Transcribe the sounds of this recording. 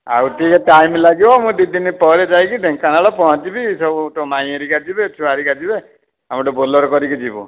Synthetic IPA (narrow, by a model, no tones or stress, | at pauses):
a̰wtikeʈajmlaɡibɔmũd̪id̪inipɔɾed͡ʒajkiɖeŋkanaɭɔpɔɦɔ̃t͡ʃibisɔbuʈɔmaj̃eɾikad͡ʒibet͡ʃʰuaɾikad͡ʒibe | amɔʈɔbolɔɾɔkɔɾikid͡ʒibɔ̰